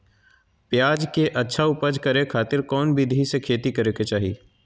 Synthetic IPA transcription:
pjaːd͡ʒkeʔɐtːʃʰaʊpəd͡ʒkɐɾekʰaːt̪ɪɾkɔːnbɪd̪ʱɦisekʰeːt̪ikɐɾeːket͡ʃaːɦḭː

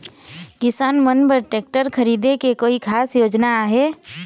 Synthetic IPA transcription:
kɪsaːnmənpəɾʈeːk̚ʈəɾkʰɐɾiːd̪ekekoːikʰaːsjoːd͡ʒnaɦeː

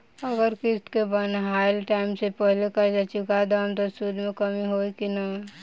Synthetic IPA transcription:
əɡəɾkɪst̪kebənɦajlʈaimsepəɦlekəd͡ʒat͡ʃukad̪amt̪osud̪ʱmẽkəmiɦojkina

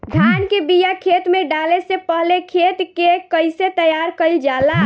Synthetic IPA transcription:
ɡʱankebijakʰet̪meɖalesepəɦlekʰet̪kekəjset̪əjaɾkəɪld͡ʒala

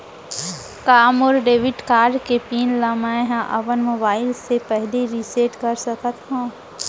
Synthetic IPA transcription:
kaːmoːɾɖeːʋɪʈkaːɾɖkepiːnlamaɦãʔɐbənmoːbaːɪlsepɛɦleɾiseːʈkɐɾsɐkət̪ɦũː

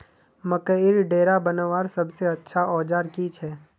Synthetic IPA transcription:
məkəɪɾɖeːɾabənəʋaːɾsɐbseɐtːʃʰaɔːd͡ʒaːɾkit͡ʃʰɛː

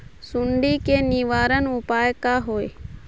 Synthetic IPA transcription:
sʊɳɖiːkeːniːʋaːɾənʊpaːjkaːɦoːeː

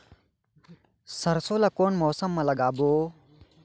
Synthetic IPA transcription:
sɐɾsolakoːnmoːsəmːɐ̃lɐɡaːboː

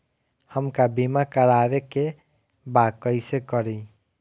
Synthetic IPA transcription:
həmkabimakəɾabeke | bakəɪsekəɾi

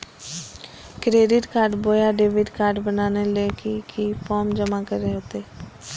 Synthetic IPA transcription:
kɾeːɖɪʈkaːɾɖboːjaːɖeːʋɪɖkaːɾɖbənaːneːleːkikʰiːpʰɔːmd͡ʒəmaːkəɾeːʊt̪eː

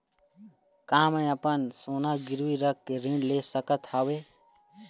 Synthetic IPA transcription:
kaːmə̃jəpənsoːnaɡɪɾwiɾəkːeɾĩɳɖlesəkət̪hawe

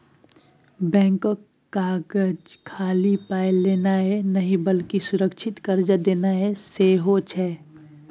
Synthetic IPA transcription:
bɛ̃ːŋkokːaːɡəd͡ʒkʰaːlipaːɪlːeːnaɦɛnəɦĩbəlkisʊɾəkʃʰɪt̪kəɾd͡ʒəd̪eːnaɦɛseɦot͡ʃʰɛː

